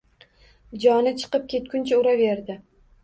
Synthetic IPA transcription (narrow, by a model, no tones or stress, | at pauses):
d͡ʒɒnɪt͡ʃʰɨ̥qɨp̚kʲʰe̞t̪̚kʰʲʊnt͡ʃʰaʊɾave̞ɾd̪ɪ